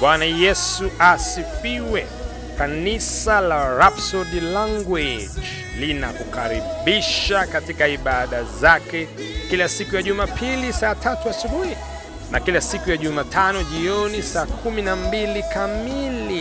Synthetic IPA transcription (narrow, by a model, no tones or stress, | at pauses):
ɓwanajɛsuʔasifiwɛ | kanisalaɾapsɔɗilaŋɡwed͡ʒ | lina̰kukaɾiɓiʃakatikaiɓaɗazakɛ | kilasikujaʄumapʰilisaːtʰatuasuhuli | nakilasikujaʄumatʰanɔʄiɔnisaːkʰuminambilikamili